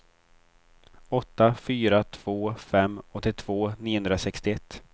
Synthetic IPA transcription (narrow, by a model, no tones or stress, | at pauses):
ɔt̪ːafyːɾat̪ʰv̥oːfɛmːɔt̪ːɪt̪ʰv̥oːniːʊɵnd̪ɾasɛkst̪ɪɛt̪ː